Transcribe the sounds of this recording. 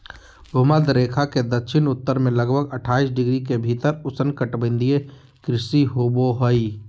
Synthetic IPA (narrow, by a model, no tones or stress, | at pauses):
bʊɦməd̪ɾeːkʰaked̪əkʃɪnʊt̪ːəɾmẽlɐɡbʱəɡəʈʰaːisɖɪɡɾik̬ebʱiːt̪əɾʊsənkəʈbə̃nd̪ʱije | kɾɪsiɦoːboɦoi